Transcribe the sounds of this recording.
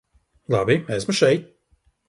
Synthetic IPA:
lˠabimɛsmuʃɛjt̪̚

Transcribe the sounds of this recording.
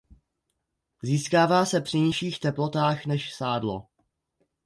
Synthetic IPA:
ziːskaːvaːsɛpr̝̥ɪɲɪʃiːxt̪ɛplo̞t̪aːxnɛʃsaːdlo̞̰

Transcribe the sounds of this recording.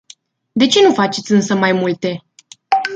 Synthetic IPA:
d̪e̞t͡ʃe̞nufat͡ʃet̪sʲɨnsəmajmult̪e̞

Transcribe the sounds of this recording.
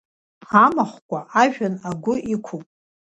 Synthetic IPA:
amaχʷkʷʼaaʒᶣanaɡʷʊʔikʷʰupʼ

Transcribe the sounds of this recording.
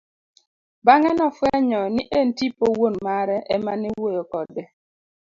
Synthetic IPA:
baŋɛnɔfwɛɲɔniʔentipowonmaɾɛʔɛmaniwojokɔdɛ

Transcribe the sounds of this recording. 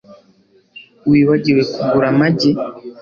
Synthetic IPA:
wiːβaɟiɾwe̞kuɡuɾamaɟi

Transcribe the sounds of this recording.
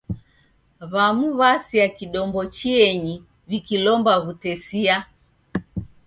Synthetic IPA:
βamuβasiakiɗɔmbɔt͡ʃiɛɲi | βikilɔmbaɣutɛsia

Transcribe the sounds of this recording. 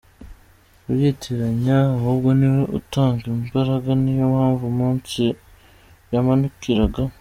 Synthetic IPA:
ujetʰeɾaɲaːhuːbɡo̞niwoṵtaːŋɡimbaɾaɡanijomhaːɱvumuːnsi | jamanukiɾaɡa

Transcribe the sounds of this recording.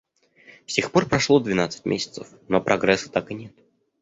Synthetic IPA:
fsʲexpo̞rpɾɐʂlˠo̞d̪vʲɪnat̪sɨ̥tʲmʲʔesʲɪ̥t̪səf | nopɾʔɐɡɾɛsːə̥t̪akɨnʲet̪̚

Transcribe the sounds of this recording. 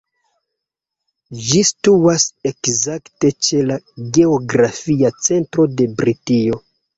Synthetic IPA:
d͡ʒistuase̞kzakte̞t͡ʃe̞laɡe̞oɡɾafiat͡se̞ntɾo̞de̞bɾitio

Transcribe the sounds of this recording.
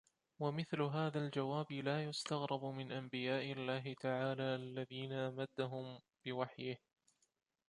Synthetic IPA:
wamɪθlʊɦaːðald͡ʒawaːbɪlaːjʊst̪ɑɣɾˤɑbʊmɪnʔambɪjaːʔɪalːaːɦɪt̪aʕaːlaːʔalːaðiːnaʔamad̪ːaɦʊm | b̥ɪwaħjɪh

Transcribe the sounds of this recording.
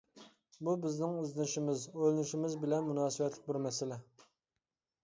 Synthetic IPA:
bubɪznɪŋøzlɪnɪʃimɪzølɪnɪʃimɪzbɪlɛnmunɑːsɨbɛt̪ʰlɪk̚ʲbuɾmɛsɪlɛ

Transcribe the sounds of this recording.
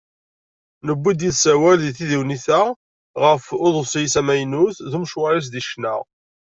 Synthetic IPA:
nəbʷːid̪jiðsæwælðiθiðiwniθæ | ʁəfʊðˤəsˤjsæmæjnuθðumʃwæɾis̬d̪iʃnə̰ʁ

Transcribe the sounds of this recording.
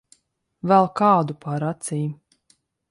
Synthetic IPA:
vɛlˠkɑːd̪upaɾat̪siːm

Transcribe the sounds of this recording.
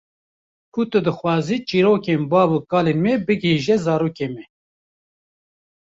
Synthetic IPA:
kʰut̪ɨd̪ɨxwɑːziːt͡ʃiːɾoːkeːnbɑːbukɑːleːnmɛbɨɡɦiːʒɛzɑːɾuːkeːmɛ

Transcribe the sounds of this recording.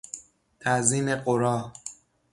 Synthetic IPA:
æziːneqoɾɒː

